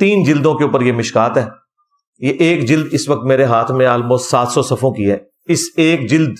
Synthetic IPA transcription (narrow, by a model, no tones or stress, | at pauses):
t̪iːnd͡ʒɪld̪õkeuːpəɾjemɪʃkaːt̪ɦɛː | jeʔeːkd͡ʒɪld̪ɪsʋɐk̚t̪meːɾeɦaːt̪ʰmẽalmoːssaːt̪sɔsɐfʰõkiɦɛː | ɪseːkd͡ʒɪld̪